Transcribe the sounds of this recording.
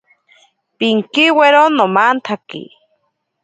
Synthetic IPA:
piŋkiweɾonːomant̪ʰakḭ

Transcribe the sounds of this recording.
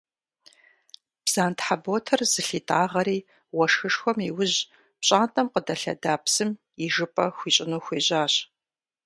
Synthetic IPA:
b̥z̥aːntħaboːtʰɐrz̥ɨɬiːtʰʼaːʁɐɾiː | wɐʂxɨʂxʷɔmiwʊʑ | pɕʼaːntʼɐmqədɐɬɐ̰daːpsɨm | iʒɨpʼɐxʷiːɕʼɪnuːxʷeːʑaːɕ

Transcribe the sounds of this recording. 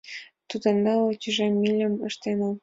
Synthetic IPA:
t̪ud̪ɤ̆nd̪ɑlot̪yʒemːilʲə̆məʃt̪enə̆

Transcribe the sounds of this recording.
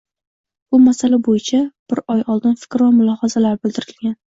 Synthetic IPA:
bʊmasalabojɪt͡ʃʰab̥ɪɾɒjɒlˠd̪ɪnfɪ̥kʲɾɒmʊlˠɒhazalaɾbɪld̪ɪɾɪlɡʲan

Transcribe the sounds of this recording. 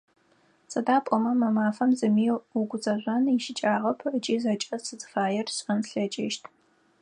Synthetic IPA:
sʼɐdaːpʷʼɔmɐmɐmaːfɐmzɨmiːwʊɡʷʊzʼɐʑʷɐnɪʃɪt͡ʃʼaːʁɐpʰət͡ʃʼiːzɐt͡ʃʼɐsɨzɨ̥faːjɛrɕʼɐnɬɐt͡ʃʼɪːʃtʰ

